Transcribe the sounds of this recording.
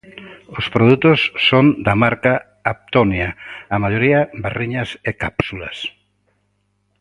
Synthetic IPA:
ʊspɾoðut̪osːond̪amaɾkaː | p̚t̪onjaːmaʎoɾiɐberiɲasekapsulɐ̰s

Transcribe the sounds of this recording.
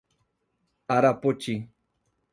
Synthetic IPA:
aɾapot͡ʃi

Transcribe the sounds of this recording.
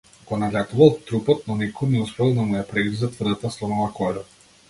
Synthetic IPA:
akɔnalʲat̪uvalˠt̪ɾupɔt̪̚nɔnɛkɔjnɛuspɾɔlˠd̪amujapɾɛɡizat̪vrd̪at̪aslˠɔnɔvakɔɾɔ

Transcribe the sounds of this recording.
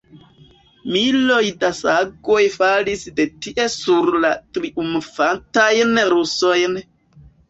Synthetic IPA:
milojdasaɡo̞jfalisde̞tiʔe̞suɾlatɾiʔumfantajnɾusojn

